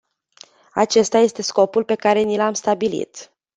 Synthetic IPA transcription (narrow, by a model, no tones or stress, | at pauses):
a̰t͡ʃe̞st̪aje̞st̪e̞sko̞pulpe̞kaɾe̞nilamst̪abilḭt̪